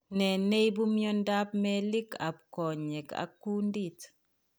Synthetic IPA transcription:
nɛ˨nɛ˦jbumjɔndap̚mɛli˦ka̰˨p̚kɔ˨ɲɛ˨ka̰˨kːu˦ndit

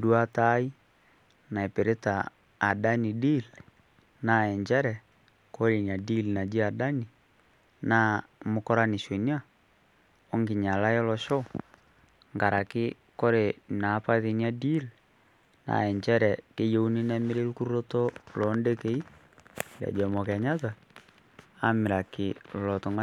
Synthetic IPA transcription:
du˦a˦ta˦i˦ | na˨ɛ˨pe˨ɾe˦taː˨ | da˦ni˨di˦l | na˨ɛ˨ɲd͡ʒɛ˦ɾɛ˨ | ko˦ɾe˨ni˨a˨di˦lna˨d͡ʒi˦a˨da˦ni˨ | na˦mo˨kɔ˦ɾa˦ni˨ʃe˨ni˦a˦ | ɔ˦ŋɡi˨ɲa˨la˦jɛ˦lɔ˨ʃɔ˦ | ŋɡa˨ɾa˨kɪ˦ | ko˦ɾe˨na˨˦pa˦ði˨ni˦a˦di˦l | na̰˨ɛ˨ɲd͡ʒɛ˦ɾɛ˨ke˦jo˦u˦ni˦na˦me˦ɾe˦ɾu˦ku˦ɾu˦ɾo˦tɔ˦lɔ˨˦nde˦ke˨˦i˦ | da̰˨d͡ʒɛ˨mɔ˨kɛ˨ɲa˦ta˨ | a˦me˨ɾa˨ke˨lɔ˨tɔ˨ŋɡa˦

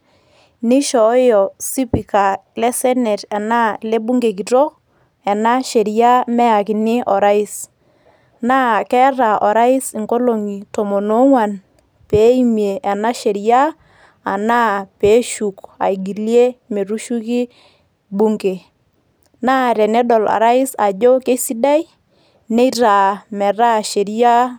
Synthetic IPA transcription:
nɪ˦ʃɔ˨˦jɔ˨si˦pi˨ka˨ | lɛ˦sɛ˦nɛ˨tɛ˨na˦le˦bu˦ŋɡe˨ki˨tɔ˦ | ɛ˨na˦ʃe˨ɾja˦mɛ˦a˨kɪ˨nɪ˦ʔɔ˨ɾa˦ɪ˦s | naː˦kɛ˦ɾa˨ʔɔ˨ɾa˦ɪ˦si˨ŋɡo˦lo˨ŋi˨tɔ˨mɔ˨no˨˦ŋwa˨n | peː˨˦i˦mje˨ʔɛ˨na˦ʃe˨ɾjaː˦˨ | na˦peː˨˦ʃu˨ka̰˨i˨ɡi˨lje˦me˨ɾu˦ʃu˦kɪ˦ | bu˦ŋke˨ | na˦ɾɛ˨nɛ˦dɔ˨la̰˨ɾa˦ɪ˦sa˨d͡ʒo˦ke˦si˦da˦j | ne˦ɾa˨mɛ˨ɾa˦ʃe˨ɾi˦ja˦

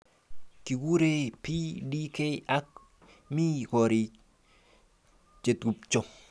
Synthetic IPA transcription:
ki˨ɡu˦ɾepi˦di˦ke˦ja˦k̚ | mi˦kɔ˨ɾi˨ | t͡ʃe˨t̪ɡu˨p̚t͡ʃɔ˦

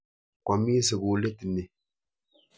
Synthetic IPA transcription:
ka˨mi˦sɪ˨ɡʊ˨˦le˦tɪ˨nɪ˨

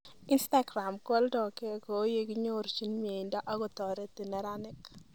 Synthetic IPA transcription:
i˦nsta˦ɡɾa˨mkwɔ˦ldɔ˨ke˦ko˨˦je˦ɡi˦ɲo˦ɾt͡ʃi˦nmi˨e˨i˨nda˦ʔa˦ɡɔ˨t̪ɔ˨ɾe˦ti˨nɛ˦ɾa˦nɪ˦k

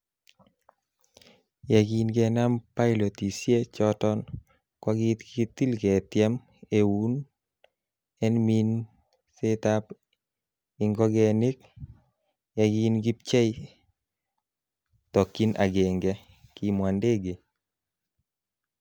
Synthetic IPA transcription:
ja˨ɡi˨nɡɛ˨na˦mpa˦ɪlo˨t̪i˨sje˦t͡ʃɔtɔ˦n | kwa˦ɡɪ˦t̪ki˦t̪i˦lɡɛ˨t̪jɛ˦m | e˨wu˦n | ɛ˦nmi˦n | se˦t̪a˦p | ɪ˨ŋɡɔ˦ɡɛnɪ˦k̚ | ja˨ɡi˦nɡi˦p̚t͡ʃɛ˦ | t̪ɔ˨kːi˦na̰˨ɡe˨ŋɡɛ˦ | ki˨mwa˨nde˦ɡe˨

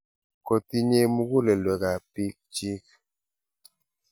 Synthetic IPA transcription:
kɔ˨ti˦ɲe˦mu˦ɡu˦lɛ˨lwɛ˨ɡa˨pi˦k̚t͡ʃi˦k̚

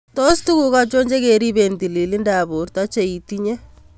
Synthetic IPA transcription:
tɔ˦stu˦ku˨ka˦t͡ʃo˦ɲd͡ʒe˦ke˨ɾi˦be˨nti˨li˨li˦nda˨bu˨rta˦t͡ʃe˨i˨ti˦ɲɛ˦

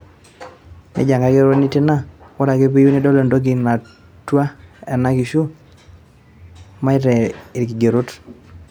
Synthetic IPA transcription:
nɪ̰˦d͡ʒa˨ŋɡa˨ɡe˦ɾo˦nɪ˦tɪ˦na˦o˦ɾa˨ɡe˦p̬i˦ju˦ni˦dɔ˦lo˨ndo˦ɡɪ˨na˨ | twa˦ɛ˨na˦ki˨ʃu˦ | ma˦ɪ˦ɾɛ˨ɪ˨ɾki˨ɡe˨ɾo˦t

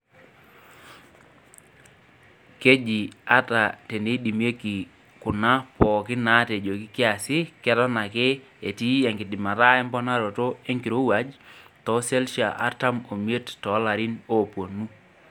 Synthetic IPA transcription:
ke˦d͡ʒi˨a˦ta˨te˨ne˨˦i˦di˨mje˦ki˨ | kʊ˨na˦pɔ˨kɪ˦na˦te˨d͡ʒo˨kɪ˦kɪ˦a˨sɪ˦kɛ˦tɔ˦na˨kɪ˦ | e˨ti˦ɛ˨ŋɡɪ˨dɪ˨ma˨ɾa˦ɛ˦mbɔ˦na˦ɾo˨to˦e˦ŋki˨ɾo˦wa˨˦d͡ʒtɔ˨˦se˦lʃa̰˨ʔa̰˦ta˦mo˨m˦e˦ttɔ˨˦la˨ɾi˦no˦˨po˨nu˦

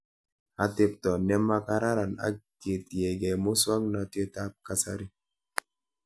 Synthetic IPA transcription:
a˨tɪ˨p̚tɔ˨nɛ˦ma˦ka˦ɾa˦ɾa˨na̰˦k̚te˨ti˨ɛ˨ɡɛ˨mo˦swa˦ŋna˨to˦ta˦p̚ka˦sa˦ɾi˦

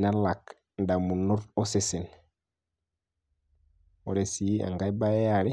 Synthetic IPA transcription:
na˦la˨k | nda˨mu˨nɔ˦ɾɔ˦se˨se˨n | o˨ɾe˨si˨˦a̰˨ŋɡa˦i˦ba˦ɛ˦a˨ɾi˦

